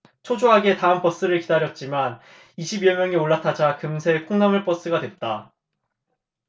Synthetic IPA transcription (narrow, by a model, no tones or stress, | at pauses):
t͡ɕʰod͡ʑoɦaɡe̞taɦɯmp͈ʌs͈ɯɾɯɭkidaɾjʌt̚t͡ɕ͈iman | iɕʰibiʌmjʌŋioɭːatʰad͡ʑakɯmsʰe̞kʰoŋnamɯɭp͈ʌs͈ɯɡadwe̞t̚t͈a